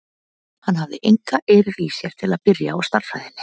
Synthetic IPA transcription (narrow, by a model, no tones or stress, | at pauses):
hanhavðɪʔejŋkaʔeːɾɪɾisjɛɾ̥t̪ʰɪlaðpɪɾja̰ɔɣst̪ar̥fa̰ðɪnːɪ̥